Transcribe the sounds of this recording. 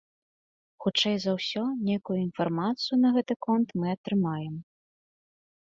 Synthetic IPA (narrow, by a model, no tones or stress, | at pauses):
xut͡ʂɛjzɐwsʲɔnʲejkujuinfarmat̪sɨjunɐɣɛt̪ɨkɔnt̪mɨɐt̪ɾɨmajɛm